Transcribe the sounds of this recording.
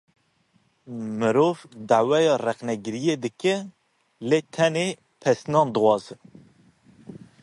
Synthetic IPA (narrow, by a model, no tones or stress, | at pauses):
mɨɾoːvd̪aʕwɛjɑːrɛxnɛɡɨɾijed̪ɨkɨ | leːt̪ʰɛneː | pʰɛsnɑːnd̪ɨwɑːzɨ